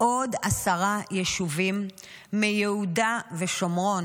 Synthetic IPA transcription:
ʔo̞dasaʁajeʃuvimː | ejeudaveʃo̞mʁo̞n

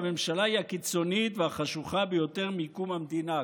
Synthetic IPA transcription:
me̞mʃalaiakit͡so̞nit̪veaχaʃuχabejo̞t̪e̞ʁmikumamd̪ina

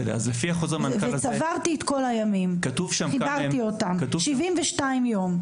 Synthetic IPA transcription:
a̰zlefiaχozeʁmanvesavaʁt̪ietko̞lajamimkat̪uvʃamχibaʁiotamkat̪uʃivimveʃtaimjo̞m

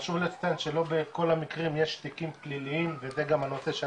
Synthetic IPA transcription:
ʃuvlet͡st̪anʃelo̞beko̞lamikʁimjeʃt̪ikimpliliimvezeɡamanoseʃe

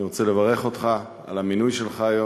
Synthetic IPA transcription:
iʁot͡sele̞vaʁe̞χo̞t̪χa | a̰laminujʃe̞lχaːjo

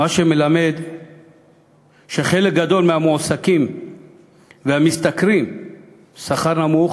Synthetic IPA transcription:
maʃemelame̞d̪ | ʃeχe̞lek̚ɡad̪o̞lmehamosakim | vehamist̪akɾim | saχaʁnamuχ

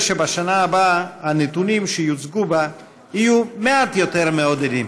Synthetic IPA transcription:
ʃebaʃanaːbahanet̪unimʃejut͡sɡuba | hijumeat̪jo̞t̪e̞ʁmeo̞d̪ed̪im

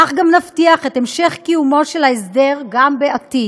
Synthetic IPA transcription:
aχɡamnaftiaχetemʃe̞χkijumo̞ʃelaesd̪e̞ʁɡambeati

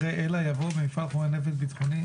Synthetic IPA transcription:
eʔelajavobemifalχomenevelbit̪χoni

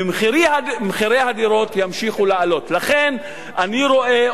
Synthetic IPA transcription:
miɾiamχiɾejhad̪iɾo̞tjamʃiχulealo̞tlaχe̞n | ʔaniɾo̞ʔe̞

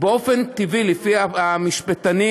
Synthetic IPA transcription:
beo̞fent̪ivilefiaamiʃpet̪ani

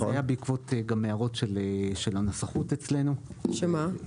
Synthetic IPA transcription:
jabeikvo̞teɡamːeaʁo̞tʃeleʃelanosaχutet͡slenuʃema

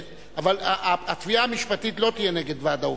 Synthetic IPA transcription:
avalaʔaat̪viaːmiʃpat̪it̪lo̞t̪ijeneɡe̞d̪vad̪au

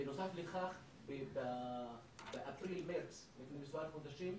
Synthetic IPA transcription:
nosafleχaχ | beba | beʔapɾilmeɾt͡slifnemiswaɾχod̪aʃim

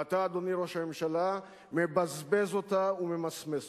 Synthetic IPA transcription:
ataːd̪o̞niɾo̞ʃame̞mʃala | me̞bazbe̞zo̞taume̞masmez

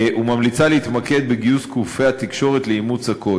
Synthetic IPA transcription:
umamlit͡saleit̪make̞d̪̚beɡiuskufeat̪ikʃo̞ʁet̪leimut͡sako̞

